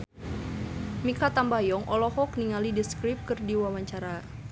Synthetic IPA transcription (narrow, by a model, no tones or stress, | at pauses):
mikat̪ambajɔŋʔɔlɔhɔk̚niŋalidiskɾip̚kɨrdiwawaɲt͡ʃaɾa